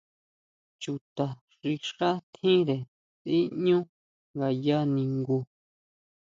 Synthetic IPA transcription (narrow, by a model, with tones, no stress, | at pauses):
t͡ʃu˧˨t̪a˨ | ʐ̥i˧ʂa˦t̪ʰĩ˦ɾe˨ | t̪i˦ɲũ˦ | ŋɡa˧ja˦nĩ˧ŋɡu˧